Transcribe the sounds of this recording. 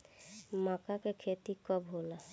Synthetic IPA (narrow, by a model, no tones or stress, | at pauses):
maːkakekʰet̪ikəbɦola